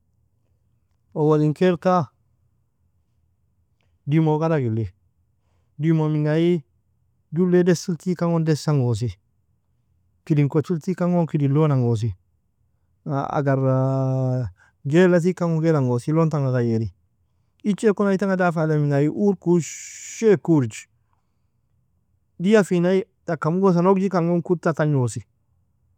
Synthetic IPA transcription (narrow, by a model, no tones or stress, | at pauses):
owaliŋkelka | dimokadaɡilːe | dimomiŋɡaji | dulːedesiltikaŋondesaŋɡos̬i | kidiŋkot͡ʃiltikaŋokidilonaŋɡos̬i | a̰a̰ɡaɾ | ɡelat̬ikaŋoŋɡelaŋosilontaŋakajeɾi | it͡ʃekonaitaŋadafalamiŋajiʔuɾkuʃekuɾd͡ʒi | dijafinai | dakamuɡos̬anoɡd͡ʒikaŋoŋkutataɲosi